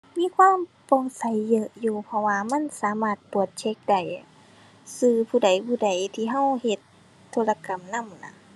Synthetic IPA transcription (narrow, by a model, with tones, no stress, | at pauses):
miː˧˥˨kʰwaː˧˥˨m | pɔː˧˩ŋsa˨˦jːɤ˧ʔjuː˧˩pʰɔ˧waː˧ma˧˥˨nsaː˨˦maː˧˩t̪̚pu˨˩ət̪̚t͡ɕʰe˧˥k̚da˨˧˩j | sɯː˧pʰuː˧˩da˨˩jpʰuː˧˩da˨˦jt̪ʰiː˧˩ɦa˧˥˨whe˧t̪̚ʰː | oː˧˨la˧ka˨mna˧˥˨mna̰˧˩